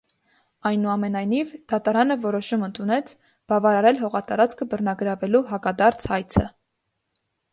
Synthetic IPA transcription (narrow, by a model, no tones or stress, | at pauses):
ɑjnuɑmɛnɑjnivd̪̥ɑt̪ɑɾɑnəvɔɾɔʃumənt̪ʰunɛt͡sʰ | b̥ɑvɑɾɑɾɛlɦɔʁɑt̪ɑɾɑt͡skʰəbərnɑɡəɾɑvɛluɦɑkɑd̪ɑɾt͡sʰhɑjt͡sʰə